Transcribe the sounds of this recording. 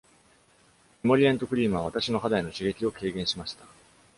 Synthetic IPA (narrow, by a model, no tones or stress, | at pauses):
emo̞ɾʲiẽnt̪o̞kɯ̟ɾʲiːmɯ̟βaβ̞at̪aɕino̞ɦad̪aino̞ɕiɡe̞kʲio̞ke̞ːɡẽ̞ɰ̃ɕimaɕi̥t̪ḁ